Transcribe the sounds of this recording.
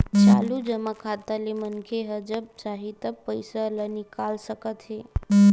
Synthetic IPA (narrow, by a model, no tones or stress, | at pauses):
t͡ʃalud͡ʒəmakʰat̪alemənkʰeɦəd͡ʒəp̚saɦit̪əpːəjsələnikalsəkət̪ɦe